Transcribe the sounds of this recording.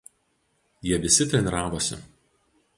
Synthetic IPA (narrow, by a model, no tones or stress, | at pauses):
jiɛʋʲɪsʲɪt̪ʲɾʲɛnʲɪɾɑːʋoːsʲɪ̰